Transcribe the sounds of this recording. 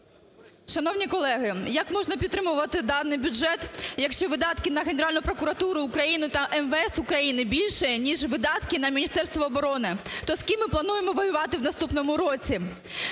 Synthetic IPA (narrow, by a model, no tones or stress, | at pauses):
ʃɐnɔwnʲikɔlˠɛɦɪjɐkmɔʒnɐpʲit̪ːɾɪmʊʋɐt̪ɪd̪ɑnɪjbʲʊʒɛt̪jɐkʃt͡ʃɔʋɪd̪ɑt̪kɪnɐɦenʲeɾɑlʲnʊpɾɔkʊɾɐt̪uɾʊːkɾɐjinʊt̪ɐʔɛnʋeɛsʊkɾɐjinɪbʲilʲʃɛnʲiʒʋɪd̪ɑt̪kɪnɐmʲinʲist̪ɛrst̪ʋɔːbɔɾɔnɪt̪ɔskʲimːɪplˠɐnujemɔʋɐjʊʋɑt̪ɪwnɐst̪upnɔmʊɾɔt͡sʲi